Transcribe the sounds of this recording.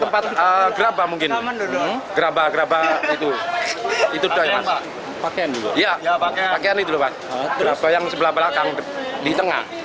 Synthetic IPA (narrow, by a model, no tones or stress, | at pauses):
t̪əmpat̪̚əɡəɾabamuŋkɪn | ɡ̥əɾabaɡəɾabait̪u | it̪udɔpa̰n | pakeandulujapakeanit̪ulɔhpas | ɾabajaŋsəbəlahbəlakaŋddit̪əŋa̰h